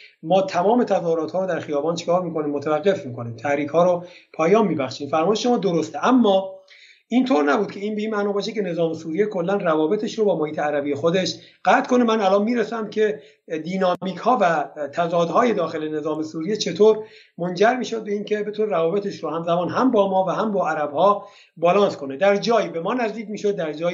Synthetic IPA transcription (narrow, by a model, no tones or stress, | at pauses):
mɒːt̪ʰæmɒːme̞t̪ʰæzɒːhoɾɒːt̪hɒːɾod̪æɾxijɒːbɒːnt͡ʃʰe̥kʰɒːɾmiːko̞niːmːot̪ʰævæɡːe̞fmiːko̞niːmt̪ʰæhɾiːkhɒːɾopʰɒːjɒːnmiːbæχʃiːmfæɾmɒːjeʃʃomɒːd̪oɾost̪eʔæmːɒː | ʔint̪ʰoɾnæbuːd̪̚kʰe̞iːnbeiːnmæʔnɒːbɒːʃid̪kʰʲcʰene̞zɒːmesuːɾijekʰo̞lːænrævɒːbe̞t̪ʰeʃɾobɒːmohiːt̪ʰeæɾæbijexod̪e̞ʃɢ̥æt̪kʰo̞nemænælɒːnmiːɾesæmcʰe̞ | d̪iːnɒːmiːkʰhɒːvæt̪ʰæzɒːd̪ɦɒːje̞d̪ɒːxe̞le̞ne̞zɒːmesuːɾijet͡ʃʰe̞t̪ʰoːɾ | mond͡ʒæɾmiːʃo̞d̪̚beiːncʰe̞be̞t̪ʰunɾævɒːbe̞t̪ʰeʃɾohæmzæmɒːnɦæmbɒːmɒːvæɦæmbɒːæɾæbhɒː | bɒːlɒːnskʰo̞ned̪æɾd͡ʒɒːjibe̞mɒːnæzd̪iːcʲmiːʃod̪̚ːæɾd͡ʒɒːj